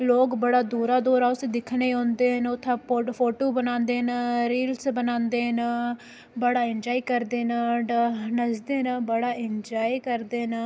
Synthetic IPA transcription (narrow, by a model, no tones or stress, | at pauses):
loːkbəɽaːd̪uːɾaːd̪oːɾaːʊsed̪ɪkʰneːɦɔ̃ːnd̪eːɦənʊt̪ʰːãːpːpʰoːʈoːbənãːnd̪eːɦnaːɾiːlsbənãːnd̪eːɦnː | bəɽaːɪnd͡ʒaːiːkəɾd̪eːnaːɖnəd͡ʒd̪eːnaːbəɽaːɪnd͡ʒaːiːkəɾd̪eːna